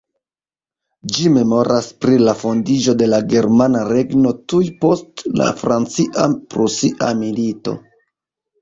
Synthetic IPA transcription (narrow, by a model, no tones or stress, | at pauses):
d͡ʒime̞mo̞ɾaspɾilafo̞ndid͡ʒo̞de̞laɡe̞ɾmanaɾe̞ɡno̞tujpo̞stla̰fɾant͡siʔapɾusiʔamilito̞̰